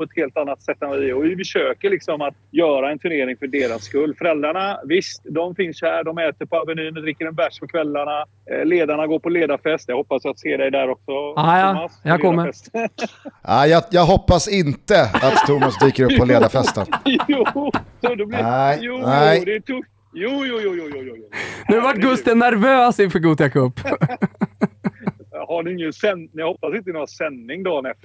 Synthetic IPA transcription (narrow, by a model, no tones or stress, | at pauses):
pʰɔɛt̪heːlt̪anːat̪sɛt̪ːɛnvɪɔvɪfəʂøːkəɭɪksɔmat̪jœːɾaɛnt̪ʰɵɳeːɾɪŋfœɖeːɾasːkɵlːfœɾɛld̪ɾaɳavɪst̪d̪ɔmfɪnshæːɖɔmɛːt̪əɾpʰɔavɛnyːnɔd̪ɾɪkːəɾɛnvæʂpʰɔkʰvɛlːaɳa | leːd̪aɳaɡoːɾpʰɔleːd̪aɾfɛst̪jɑaɡhɔpːasjat̪seːɖɛjd̪æɾɔksɔamasjakʰɔmːəɛst̪ | ajɑjɑːɡɦɔpːasɪnt̪əatt̪t̪ʰːumasd̪iːkəɾɵpːɔleːd̪afɛst̪ə̰nusɔd̪ɛblæjuːnæɪd̪ɛt̪ʰʊft̪juːjuːjuːjuːjujnʉvaʈːɡɵst̪ənæɾvøːsɪnfœɾɡuːd̪jakʰɵpː | haɖɪɪŋːənsɛnɪjhɔpːasɪnt̪ənɪhaasɛnːɪŋd̪ɔnɛft̪